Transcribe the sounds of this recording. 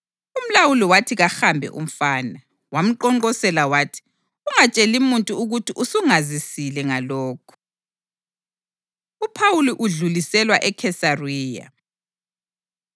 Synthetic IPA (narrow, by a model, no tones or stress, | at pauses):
um̩lawuliwatʰiɣaxambʱɛ̰ʔṵm̩faːna | wam̩ǃɔŋɔsɛlawaːtʰi̥ | uŋat͡ʃʼelimuntʼuuɣutʰiʔusuŋazisilɛŋalɔːkʰɔ̥ | upʰawuliʔuɮulisɛlwa̰ʔɛkʰɛsariːja̰